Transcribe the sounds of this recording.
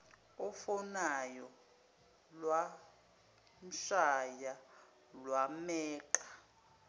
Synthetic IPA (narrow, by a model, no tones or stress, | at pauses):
ɔfɔnajɔ | lwa | nʃaja | lwamɛːǃḁ